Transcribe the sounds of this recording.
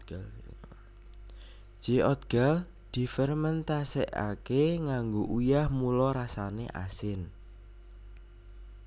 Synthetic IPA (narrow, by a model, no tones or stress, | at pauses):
d͡ʒ̥eʔɔt̪̚ɡ̥al | d̪̥i̤fərmənt̪asɛ̰ʔa̰keŋaŋɡoʔujahmulɔɾasanḛʔa̰sɪn